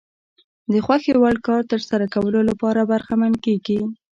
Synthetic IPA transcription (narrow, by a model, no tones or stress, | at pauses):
d̪əxwaxewaɽkɑɾt̪əɾsaɾakawəlolapɑɾabaɾxamankeɡi